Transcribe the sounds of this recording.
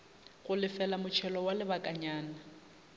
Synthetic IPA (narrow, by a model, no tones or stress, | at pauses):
ɣʊlɪfɛlamʊt͡ʃʰɛlɔwalɪbakʼaɲaːna